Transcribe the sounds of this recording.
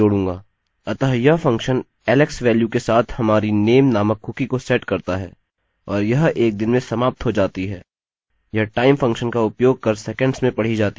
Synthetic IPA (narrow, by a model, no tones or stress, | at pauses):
oːɽũːŋɡaː | ɐt̪əɦəjafɐ̃ŋkʃən | ɛːlɛksʋɛːljukesaːt̪ʰhɐmaːɾineːmnaːməkʰːʊkikosɛʈkɐɾt̪aɦɛ̰ː | ɔːɾjɐɦeːk̚d̪ɪnmẽsɐmaːp̚t̪ɦod͡ʒaːt̪iɦɛ̰ː | jɐɦʈaːɪmfɐ̃ŋkʃənkaʊpjoːɡ̚kɐɾsɛːkə̃ɳɖsmẽpɐɽ̤id͡ʒaːt̪i